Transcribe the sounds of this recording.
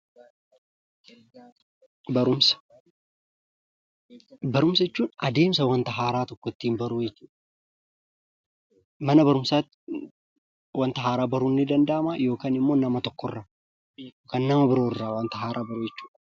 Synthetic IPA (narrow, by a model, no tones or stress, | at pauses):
bɐɾʊms | bɐɾʊmsɐɛt͡ʃːuːnɐd̪e̞ːmsɐwɐnt̪ɐɦaːɾaːt̪ɔkːɔt̪ːiːmbɐɾuːjɛt͡ʃːuːᶑɐ | mɐnɐbɐɾʊmsaːt̪ | wɐnt̪ɐɦaːɾaːbɐɾunːɪd̪ɐnd̪amaːjo̞ːkaːnɪmːo̞ːnɐmɐt̪ɔkːɔrːa | joːkaːnːɐmɐbɪɾoːɪːaːwɐnt̪ɐɦaːɾʔaːbɐɾujɛt͡ʃːuːᶑɐ